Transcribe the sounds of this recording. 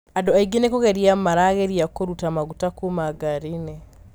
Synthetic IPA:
adoaiɡenekoɣeɾiamaɾaɣeɾiakoɾutamaɣutakumaɡaɾine

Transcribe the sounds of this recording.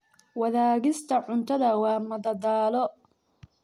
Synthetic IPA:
wɐðaːɣɪst̪ʰɐʕʊnt̪ʰɐðɐwɑːmɐd̪ɐd̪aːlɔ

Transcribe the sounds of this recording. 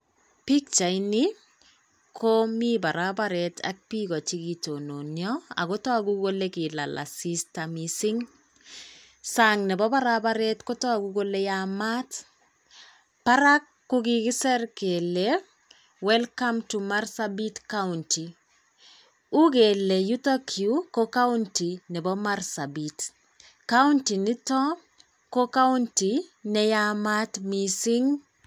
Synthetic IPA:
pik̚t͡ʃaini | kʰomibaɾabaɾɛtʰa̰k̚pikɔt͡ʃikitononjɔa̰kotɔakukolekila̰lʔa̰sistamisiŋ | saŋnɛbɔbaɾabaɾɛtkotɔakuɡolejamat | paɾakːukikɪsɛrkele | wɛlkamtumarsabitkaunti | ukelejutokʰjukokauntinɛbɔmarsabit | kauntinitɔ | kokauntinɛjamatmisiŋ

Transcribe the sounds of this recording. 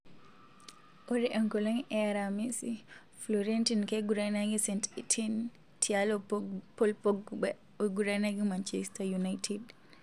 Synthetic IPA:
ʔoɾiʔɛŋkɔlaŋʔɛɾamisi | flɔɾentinkɛɡuɾajnaɡisɛntitʰin | tʰialɔpɔlpoɡubɛ | ɔɡuɾanaɡimant͡ʃɛstajunajtʰid

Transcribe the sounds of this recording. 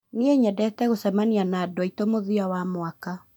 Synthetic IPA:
nieɲɛdɛtɛɣosɛmanianadwaitomoðiawamwaka

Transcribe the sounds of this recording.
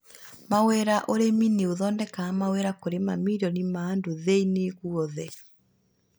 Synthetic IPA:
mawɛɾaʔoɾemineoðɔːndɛkaːmawɛɾakoɾemamiɾɔnimaːndoðeineɣuɔðɛ

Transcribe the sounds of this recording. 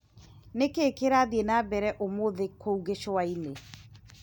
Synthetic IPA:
nekeːkeɾaːðienaːbɛɾɛʔomoðekʰouɣeɕoaine

